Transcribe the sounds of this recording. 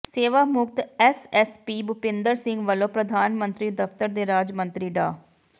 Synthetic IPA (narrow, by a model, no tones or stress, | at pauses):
seːʋaːmʊk̚t̪ɛsɛspiːbʊpɪ̃nd̪əɾsɪ̃ŋɡʋəlõːpɾəd̪ʱaːnmənt̪ɾiːd̪əft̪əɾd̪eːɾaːd͡ʒmə̃nt̪ɾiːɖa̰ː